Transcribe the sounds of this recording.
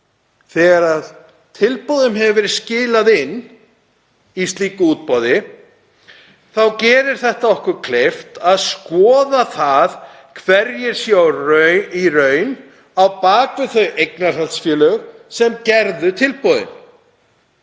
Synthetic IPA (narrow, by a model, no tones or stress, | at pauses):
θɛːɣaɾað | t̪ʰɪlpowðʏmɦɛvvɛɾɪðscɪːlaðɪnː | ist̪liːkʏuːt̪̚pɔːwðɪ | θawcɛːɾɪɾ̥θɛht̪aɔhkʏɾkʰleft̪aðskɔːðaθað | kʰvɛɾjɪɾ̥sjawrœɥirœɥn | awpaːkvɪθœɥejknaɾ̥alt̪sfjɛːlœɣsɛmcɛɾðʏt̪ʰɪlpɔwðɪ̰m